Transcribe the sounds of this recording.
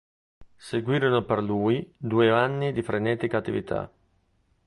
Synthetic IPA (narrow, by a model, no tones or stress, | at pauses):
seɡwiːɾonoperluːjd̪uːeanːid̪ifɾenɛːt̪ikaːt̪ːḭvit̪ʰa̰